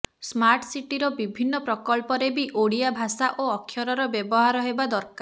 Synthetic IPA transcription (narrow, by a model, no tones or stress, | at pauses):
smaɾʈsiʈiɾɔbibʱinːɔpɾɔkɔlpɔɾebiʔoɽijabʱasaʔoɔkʰːjɔɾɔɾɔbjebɔɦaɾɔɦebad̪ɔɾkaɾ